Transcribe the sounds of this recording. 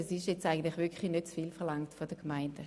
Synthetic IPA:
ɛsɪʃjɛt͡staɪɡən̩tlɪχvʋɪɐkʰlinøtt͡sfiːlfɛɐlaŋtfod̥əkmaɪndə

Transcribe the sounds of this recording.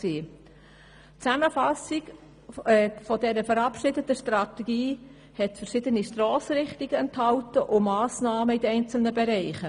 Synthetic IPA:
siː | t͡sæməfɑsɪɡ | fɔdɛɾəfəɾɑpʃɪdətəʃtrɑt̪eɡ̥iː | hɛtfəɾʃɪdəniʃtroːsɾɪχtiɡ̥əɛnthɑʊtəʔʊmɑːsnɑːməidəɛɪnt͡sl̩nəbeɾɛɪχə

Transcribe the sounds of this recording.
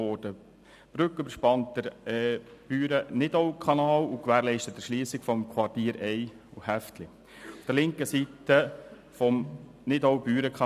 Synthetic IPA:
oːd̥ə | b̥ɾʏkøbəɾʃpɑntəɾɛːb̥yːɾənɪdɔwkʰɑnɑːlukʋæːɾlɛɪʃtət̪ːəʃliːsɪkfɔmkʰwɑrtiːɾɛɪ | uhæftlɪ | ʊfd̥əɾlɪŋkəsitə | fɔmnɪdowbyːɾəkʰχɑ

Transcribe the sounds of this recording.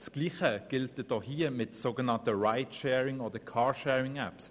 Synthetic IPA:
t͡sɡ̥liːχəɡ̥ɪlt̚d̥əd̥ɔːhiːəmɪtsoːɡənɑntəɹaɪtʃɛːɹɪŋoːdəkʰɑːɹʃɛːɹɪŋæps

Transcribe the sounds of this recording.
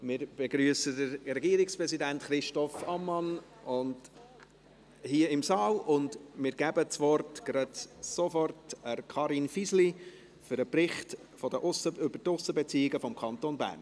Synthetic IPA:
mɪɾb̥ɛɡ̥ɾyəsədəɾɾɛɡiːɾɪkspɾɛzidæntχɾɪʃtɔfɑmːɑn | ʊnd | hiəɪmsɑːlʊndmɪːɾɡ̥æbət͡sʋɔrtɡ̥ɾɑtsofɔrtəɾkʰɑɾinfisli | fʏɾəprɪχt | fɔdəʔʊsəʏbətʊsəbɛt͡siːɪɡəfɔmkʰɑntoːnbæ̰ːrn

